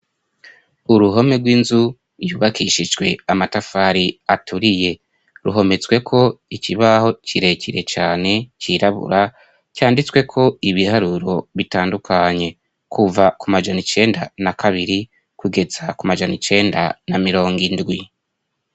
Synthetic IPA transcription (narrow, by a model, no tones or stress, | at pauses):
uɾuɦo̞meɡwiːnzu | juβakʰiʃid͡ʒɡwe̞amatafaɾiatʰuɾije̞ | ɾuɦo̞me̞t͡swe̞kʰo̞iciβaho̞cʰiɾe̞ciɾe̞t͡ʃaːne̞ciɾaβṵɾa | caːndit͡swe̞kʰo̞iβihaɾuɾo̞βitaːndukʰaɲe̞ | kʰuvakumad͡ʒanit͡ʃe̞ːndanakʰaβiɾi | kuɡe̞zakumad͡ʒanit͡ʃe̞ːnda̰namiɾo̞ːŋɡindɡwi